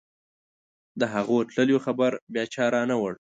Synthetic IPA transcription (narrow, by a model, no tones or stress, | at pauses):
d̪əɦaɣoʈləljoxabaɾbjɑt͡ʃɑɾɑnawəɽ